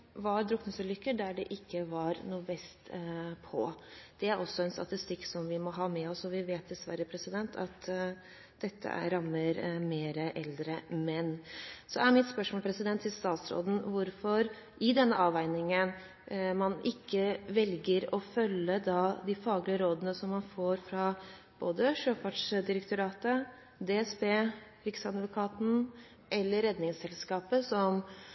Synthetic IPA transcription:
ʋɑɾd̪ɾʊkːnəsəlʏkːəd̪æɖɛ̰ʔɪkːəʋɑɾnuːʋɛst̪pʰɔ̰d̪̥ɛæɾʔɔsːɔɛnst̪ɑ̰t̪ɪst̪ɪkːsɔmʋɪmɔɦɑːmɛɔsɔʋɪʋeːt̪̚d̪ɛsʋæ̰ɾəpʰɾɛsɪd̪ɛnt̪ʰɑ̰t̪ | d̪ɛt̪ʰːə̰ʔæ̰ɾɑmːəɾmeːɾəʔɛld̪ɾəmɛnsɔæɾmɪt̪spœʂmoːlpʰɾɛsɪd̪ɛnt̪ʰɪlst̪ɑːt̪sɾo̰ːd̪n̩ʋʊɾfɔɾ | ʔɪd̪ɛnːəʔɑːʋæɪnɪŋən | mɑnʔɪkːəʋɛlɡəɾɔfœlːəd̪ɑd̪ɪfɑːɡlɪəɾoːd̪ənəsɔmːɑnfoːɾfɾɑ | b̥oːd̪əʂøːfæʈʂd̪ɪɾək̚t̪ʊɾɑːt̪ə | d̪eːɛsbeː | ɾɪksɑd̪ʋʊkʰɑːt̪n̩ | ʔɛlːəɾɛd̪nɪŋsɛlskɑːpəsɔm

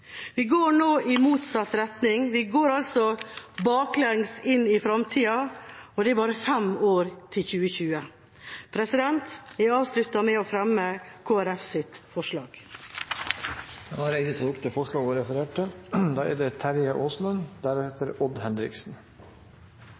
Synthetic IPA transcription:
ʋɪɡoːɾɳoːʔɪmuːt̪sɑt̪ːɾɛt̪nɪŋʋɪɡoːɾɑlsɔbɑːklɛŋsɪnːɪfɾɑmt̪ʰiːɑɔd̪ɛæɾbɑːɾəfɛmoːɾt̪ʰɪlçʉːəçʉːə | pʰɾɛsɪd̪ɛnt̪ɛɾɑːʋslʉt̪ːɑmɛoːfɾɛmːəkʰoːæɾɛfsɪt̪fɔʂɭɑːɡ̥ | ɛnɑɾæɪd̪ət̪ʰɔlʊkt̪əfɔʂɭɑːɡɔɾɛfəɾeːʈʰːəd̪ɑːʔɛ̰d̪ɛt̪ʰæɾjəʔoːsnənd̪æɾheːt̪əɾɔd̪hɛnd̪ɾɪ̰ksn̩

